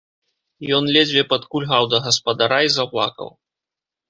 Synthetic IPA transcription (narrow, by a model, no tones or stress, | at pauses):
jɔnlʲɛd͡zʲvʲɛpɐt̪kulʲɦawd̪ɐɣɐspɐd̪aɾaizaplˠa̰kɐ̰w